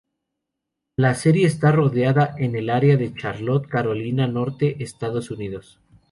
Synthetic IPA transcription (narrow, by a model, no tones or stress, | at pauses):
lase̞ɾje̞ːst̪aro̞ðeaðaʔe̞ne̞laɾeaðe̞t͡ʃaɾlo̞t̪̚kaɾo̞linano̞ɾt̪e̞ʔest̪aðo̞suniðo̞s